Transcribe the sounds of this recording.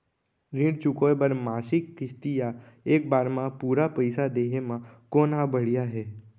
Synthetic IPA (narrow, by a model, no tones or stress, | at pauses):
ɾɪ̃ːɖt͡ʃʊkoːbəɾmaːsɪkːɪst̪ija | eːk̚baːɾmãpuːɾapəɪsad̪eːɦemãkoːnabəɽijaɦɛː